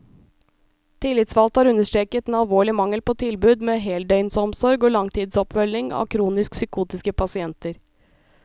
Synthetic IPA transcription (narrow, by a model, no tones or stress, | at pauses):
t̪ʰɪlːɪt̪sʋɑlt̪hɑːɾʉnːəʂʈ̪ɾeːkət̪ːnɑlʋoːɭɪmɑŋəlpoːt̪ʰɪlbʉːd̪meːɦɛːld̪œʏnsɔmsɔɾɡoːlɑŋt̪ʰiːd̪sɔpfœlɪŋɑ̰ːkʰɾuːnɪsksʏkʰuːt̪ɪskəpʰɑsɪɛnt̪əɾ